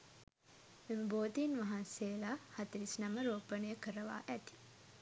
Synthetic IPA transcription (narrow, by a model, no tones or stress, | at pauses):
memboːt̪inʋaɦanseːlahat̪iɾisnaməɾoːpənəjəkəɾəʋa̰ʔæt̪i̥